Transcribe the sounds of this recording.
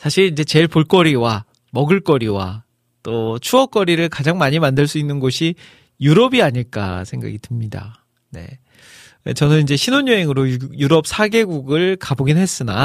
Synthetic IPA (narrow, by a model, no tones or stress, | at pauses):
sʰaɕʰiɾind͡ʑe̞t͡ɕe̞ɭpoɭk͈ʌɾiwa | mʌɡɯɭk͈ʌɾiwa̰ | t͈ot͡ɕʰuʌk͈ʌɾiɾɯɭkad͡ʑaŋmaɲimandɯɭs͈uinːɯnɡoɕʰi | juɾʌbiaɲiɭk͈a̰sʰe̞ŋɡa̰ɡitɯmɲida̰ | ne̞̰ | t͡ɕʌnɯnind͡ʑe̞ɕʰinoɲjoɦeŋɯɾojuɾʌp̚sʰaɡe̞ɡuɡɯɭkaboɡinɦe̞s͈ɯna